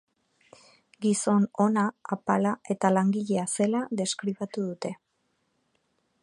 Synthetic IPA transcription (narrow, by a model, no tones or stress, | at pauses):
ɡiso̞no̞naːpalae̞t̪alaŋɡiʎe̞ase̞laðe̞skɾiβat̪uðut̪e̞